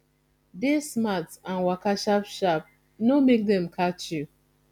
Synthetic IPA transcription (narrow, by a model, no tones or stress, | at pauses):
desmatsãnwakaʃapʃap̚ | nomek̚dɛ̃mkʰat͡ʃju